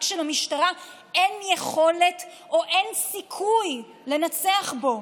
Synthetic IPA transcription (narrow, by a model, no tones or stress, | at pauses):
kʃelamiʃtaʁa | enjeχo̞let | oʔensikʰuj | le̞nat͡seaχbo̞